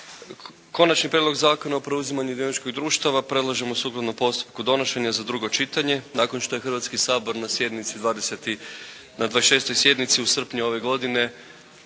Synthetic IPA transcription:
ko̞nat͡ʃnipɾʲjed̪lo̞ɡzaːko̞naopɾe̞uzimaɲud̪jonit͡ʃkoɡd̪ɾuːʃt̪aʋapɾe̞d̪lˠaʒemosuklˠad̪nopo̞st̪u̥p̚kud̪o̞noʃe̞ɲazad̪ɾuɡo̞t͡ʃit̪aɲe̞naːkonʃt̪o̞jexr̩ʋat̪skisaːbo̞ɾnasjed̪nit̪sid̪ʋaːd̪eset̪i | nad̪ʋaːʃe̞ːst̪o̞jsje̞d̪nit̪siusr̩pɲuo̞ʋe̞ɡo̞d̪ine̞

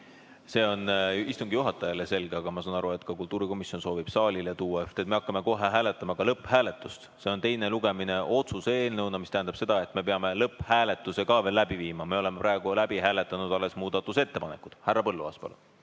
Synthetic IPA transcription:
se̞ːo̞nist̪uŋɡ̥ijuɦɑt̪ːˑɑjɑlese̞lɡeɑɡ̥ɑmɑsɑːnɑɾue̞t̪ːˑkɑkult̪ːˑuːɾiko̞misjo̞nso̞ːvib̥sɑːlʲilet̪uːwːɑeft̪et̪me̞ɑkːˑɑme̞ko̞ɦeɦæːlet̪ːˑɑmɑkɑlɤpːhæːle̞t̪ːˑust̪se̞o̞nt̪e̞jne̞luɡ̥e̞mine̞ʔo̞t̪suse̞ːlnɤwnɑmist̪æɦænd̪ɑb̥se̞d̪̥ɑe̞t̪ːme̞pe̞ɑme̞lɤpːˑhæːle̞t̪ːˑusekɑve̞lːæb̥iviːmɑme̞o̞le̞mepɾɑeɡ̥ulæbiɦæːle̞t̪ːˑɑnud̪ɑlːe̞smuːd̪̥ɑt̪ːˑuset̪ːe̞pɑnekˑud̪̥hærːɑpɤ̞lːuɑ̰spɑ̰lṵn

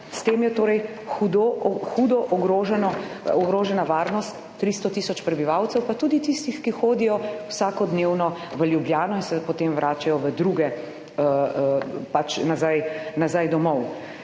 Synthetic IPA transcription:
st̪eːmjɛt̪oːɾɛj | xud̪ɔxud̪ɔʔɔɡɾoːʒɛnɔɔɡɾoːʒɛnaʋaːɾnɔst̪ːɾist̪ɔt̪isɔt͡ʃpɾɛbiʋawt̪sɛwpat̪uːd̪it̪ist̪ixkixoːd̪ijɔwsaːkɔd̪neːwnɔʋəljubljaːnɔinsɛpɔt̪emʋɾʔaːt͡ʃajɔʋəd̪ɾuːɡɛ | əəpat͡ʃnazajnazajd̪ɔmɔw

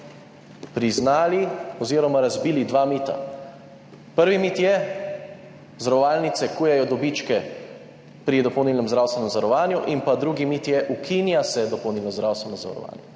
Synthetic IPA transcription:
pɾiznaːliɔziːɾɔmaɾazbiːlid̪ʋamiːt̪a̰ | pəɾʋimit̪jɛ | zɾɔʋaːlnit̪sɛkuːjɛjɔd̪ɔbit͡ʃkɛ | pɾid̪ɔpɔwniːlnɛmzɾawst̪ʋɛnɛmzaɾɔʋaːnjuʔimpad̪ɾuːɡimit̪jɛʔukʰinjasɛd̪ɔpɔwniːlnɔzd̪ɾawst̪ʋɛnɔzaa̰ɾɔ̰ʋa̰ːnjɛ

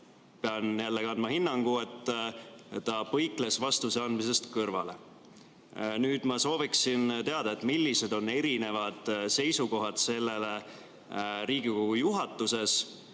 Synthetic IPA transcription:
peɑnjælːeɡɑnd̪mɑhinːɑŋɡ̥ue̞t̪ː | t̪ɑpɤjkle̞svɑst̪use̞ɑnd̪mis̬e̞st̪kɤrvɑ̰le̞̰ | nyːd̪̥mɑso̞ːviksint̪e̞ɑd̪̥ɑe̞t̪ːˑmilːise̞d̪o̞nːe̞ɾine̞vɑd̪̥se̞jsuko̞ɦɑd̪̥se̞lːe̞le̞ | ɾiːɡikoɡujuɦɑt̪ːˑuse̞s

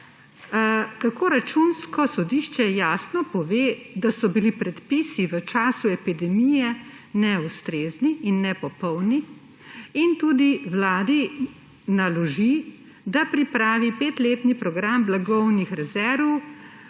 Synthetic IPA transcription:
kakoːɾat͡ʃunskɔsɔd̪iʃt͡ʃɛjaːsnɔpɔʋeːd̪asɔbilipɾɛt̪pisiʋət͡ʃaːsuɛpid̪ɛmijɛ | nɛust̪ɾeːzniinːɛpɔpɔwniː | nt̪uːd̪iwlaːd̪i | nalɔʒi | d̪apɾipɾaːʋipeːt̪leːt̪nipɾɔɡɾamblaɡɔwnixɾɛzɛɾʋɔw

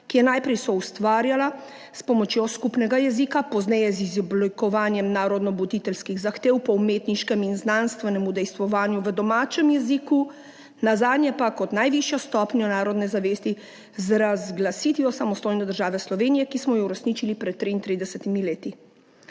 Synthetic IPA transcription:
kijɛnajpɾɛjsɔust̪ʋaːɾjala | spɔmɔt͡ʃjɔskupnɛɡajɛzikapɔznɛjɛzizblikɔʋaːnjɛmnaːɾɔd̪nɔbut̪it̪ɛlskiɣzaxt̪eːwpɔumet̪niʃkɛminznanst̪ʋɛnɛmud̪ɛjst̪ʋɔʋaːnjuʋəd̪ɔmaːt͡ʃɛmjɛziku | nazaːd̪nʲjɛpakɔt̪najʋiʃjɔst̪ɔːpnjɔnaːɾɔd̪nɛzaʋeːst̪i | zɾazɡlasit̪ʋiɔsamɔst̪ojnɛd̪əɾʒaːʋɛslɔʋeːnijɛkismɔjɔuɾɛsniːt͡ʃilipɾɛt̪̚ːɾiːnt̪ɾid̪ɛsɛt̪imileːt̪i

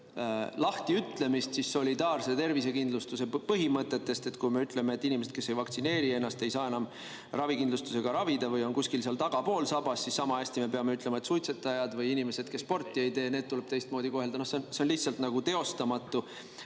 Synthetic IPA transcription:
lɑht̪iyt̪ˑle̞mist̪sisːo̞lʲid̪ɑːrse̞t̪e̞rvis̬e̞kind̪lust̪use̞pɤɦimɤt̪ˑːe̞t̪ːe̞st̪e̞t̪kujme̞yt̪ˑle̞me̞ːt̪ːˑinʲimese̞d̪ke̞sːe̞jvɑkt̪sine̞ːɾie̞nːɑst̪e̞jsɑːe̞nɑm | rɑvikind̪lust̪u̥se̞ɡ̥ɑɾɑvid̪ɑvɯjo̞nkusʲkilseɑlt̪ɑɡ̥ɑpo̞ːlsɑbɑsːisːɑmɑæsʲt̪ime̞pe̞ɑme̞yt̪le̞mɑet̪sujt̪se̞t̪ːˑɑjɑd̪vɯjinime̞se̞d̪̚ke̞sːpo̞rt̪ːˑie̞jt̪e̞ːne̞ːd̪̚t̪uleb̥t̪e̞jst̪̚moːd̪iko̞ɦe̞ld̪ɑnohseonseonlihtsɑlt̪nɑɡ̥ut̪e̞o̞st̪ɑmɑt̪ˑːu

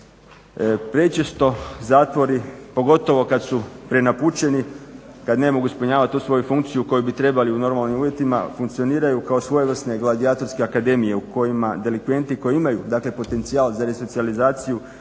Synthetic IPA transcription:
pɾe̞t͡ʃest̪o̞zaːt̪ʋo̞ɾipo̞ɡo̞t̪o̞ʋo̞kad̪supɾe̞naput͡ɕe̞ni | kad̪ne̞mo̞ɡuispuɲaːʋat̪t̪ːuːsʋo̞jufuŋkt̪sijuko̞jubit̪ɾe̞baliuno̞ɾmalˠnimuʋjet̪ima̰fuŋkt̪sio̞niːɾajukao̞sʋo̞jeʋr̩sne̞ɡlad̪iaːt̪o̞ɾskeakad̪e̞mije̞uko̞jimad̪e̞likʋe̞nt̪iko̞jiimajud̪aːkle̞po̞t̪e̞nt̪siaːlzaɾe̞so̞t̪sializaːt̪siju

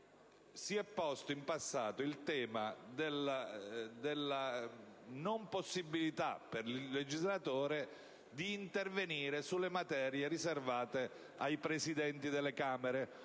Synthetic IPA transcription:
siɛpːɔst̪oimpasːaːt̪oilt̪ɛːmad̪elad̪elːa | nomposːibːilit̪a̰pːerllːed͡ʒizlat̪oːɾe | d̪iːnt̪erveniːɾesulːemat̪ɛːɾjeɾiservaːt̪e | ajpɾesid̪ɛnt̪id̪elːekaːmeɾe

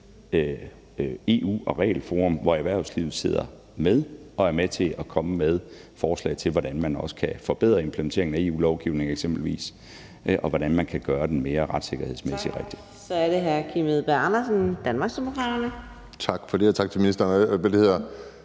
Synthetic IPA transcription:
e̝ːṵːɒ̽ʁɛ̰ːlfo̝ːʁɔ̽mʋɒeʋæɐʊslḭːʊð̩ˠse̝ð̞̰ˠɐ̰ | með̞ˠɒ̽æɐmet͡sʰe̝ɒkʰɒ̽məmeð̞ˠfɒːslɛ̰ːɪt͡sʰe̝lʋɒɾænmænɒ̽sə̥kʰæfɒ̽b̥eð̞̰ˠʁɐe̝mpʰləment͡sʰe̝ɐ̰eŋnæe̝̰ːṵːlɒʊɡ̥iʊne̝ŋeɡ̥semb̥l̩ʋḭːs | ʔɒ̽ʋɒɾ̥ænmænkʰæɡ̥ɶːɐd̥enme̝ːɐʁɑ̈d̥se̝ɡ̥ɐhe̝ð̰ˠsmesi̥ʁeɡ̥d̥i̥ | sɒ̽æɐɾ̥eɦæɐkʰimeðˠb̥æɐɑnɐsən̩d̥ænmɑ̈ɡ̥sd̥emokʰʁɑ̈ɾɐnə | t͡sʰɑ̈ɡ̥fɒ̽d̥eɐt͡sʰɑ̈ɡ̥̚t͡sʰe̝minisd̥ɐnbeleheð̰ˠɐ

